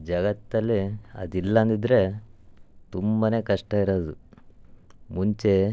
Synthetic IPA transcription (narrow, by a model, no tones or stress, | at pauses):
d͡ʒɐɡɐt̪ːɐlːiɐ̰d̪ilːɐɐnd̪id̪ɾe̞ | t̪umbɐne̞ːkɐʂʈɐiɾoːd̪u | muɲt͡ʃe̞